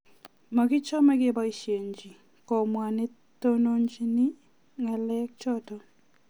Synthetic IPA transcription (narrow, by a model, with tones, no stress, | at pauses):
ma˨kɪ˦t͡ʃɔ˦mɛ˦kɪ˦ba˦i˨ʃje˨ɲd͡ʒi˨ | kɔ˨mwa˨ne˦ | to˦no˦ɲd͡ʒi˦nɪ˦ | ŋɛ˨lɛ˦k̚t͡ʃɔ˦tɔ˦